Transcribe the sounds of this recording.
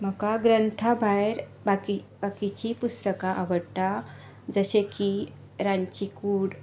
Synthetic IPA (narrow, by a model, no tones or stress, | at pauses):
m̤əkaɡɾənt̪ʰabʱajɾbaki | bakit͡ɕipust̪əkaʔaʋəɽt̪a | d͡zəɕeki | ɾãɲt͡ɕikuːɽ